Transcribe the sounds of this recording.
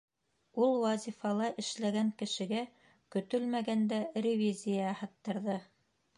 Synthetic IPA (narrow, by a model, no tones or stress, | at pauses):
ulˠwɑzʲifɑlˠɑʔɘ̆ʃlæɡæŋkɘ̆ʃɘ̆ɡæ | kɵ̆t̪ɵlmæɡænd̪æɾʲɪvʲizʲijɑhɑ̆t̪ːɤ̆ɾðɤ